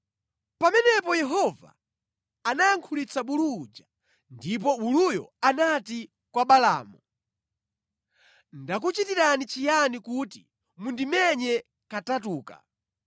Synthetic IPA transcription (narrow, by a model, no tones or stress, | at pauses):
pamɛnɛpɔjɛɦɔva̰ː | najaŋkʰulit͡saɓulud͡ʒa | ndip̬ɔulujɔ̰anati | kwaɓala̰ːmu | ndak̬ut͡ʃitiɾanit͡ʃijanikutḭ | mundimɛɲɛ | katatuːka̰